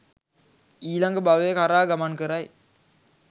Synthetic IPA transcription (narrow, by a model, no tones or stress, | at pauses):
iːlɐŋɡəbaʋekaɾaːɡɐmɐnkəɾɐj